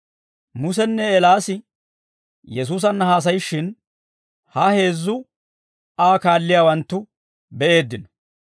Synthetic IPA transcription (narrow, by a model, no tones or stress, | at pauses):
mʊsɛnːɛːlaːsɪ | jɛs̬uːs̬ɐnːɐhaːs̬ɐjɪʃːɪn | hɐhe̞ːzːʊ | aːkaːlːɪjaːwɐnt̪ːʊ | bɛʔe̞ːd̪ːɪnɔ̥